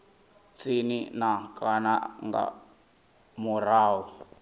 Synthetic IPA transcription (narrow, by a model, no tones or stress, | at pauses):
t͡sininakʼana̰ŋɡa̰ | muraːwu